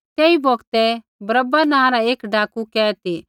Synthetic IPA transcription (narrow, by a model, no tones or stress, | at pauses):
t̪eːiboːɡt̪ɛ | bɾəbːanãːɾaeːkɖaːkukɛːt̪eː